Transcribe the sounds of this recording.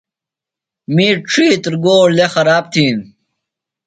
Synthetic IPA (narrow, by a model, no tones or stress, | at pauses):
miːʈ͡ʂʰiːt̪ɾɡoːɽlexɐɾaːp̚t̪ʰiːn